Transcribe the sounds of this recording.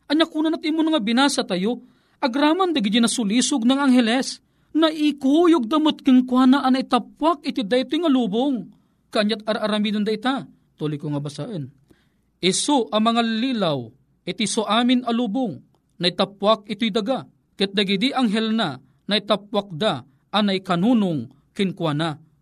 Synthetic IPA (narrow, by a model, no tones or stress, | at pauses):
ʔɐɲakuːnanɐt̪ʔimonɐŋabɪnaːsat̪ɐjo | ʔɐɡɾaːmand̪ɐɡɪd̪inɐsʊliːsʊɡ̚nɐŋaŋɦɛlɛs | nɐʔɪkujʊɡ̚d̪ɐmot̪̚kɨŋkwanaʔɐnɐʔɪt̪ɐp̚wak̚ɪt̪ɪd̪aɪt̪ojŋɐluːboŋ | kɐʔːɲːat̪̚ɐɾʔɐɾɐmiːd̪and̪ɐɪt̪a | t̪oːlojkoŋɐbɐsaʔən | ʔɪsoʔɐmɐŋaliːlaw | ʔɪt̪isoʔaːmɪnɐluːbʊŋ | nɐʔɪt̪ap̚wak̚ɪt̪ojd̪ɐɡa | kɨt̪̚d̪ɐɡid̪iʔaŋɦɛlna | nɐit̪ap̚wak̚d̪a | ʔːnɐʔɪkɐnunʊŋ | kɪŋkwaːna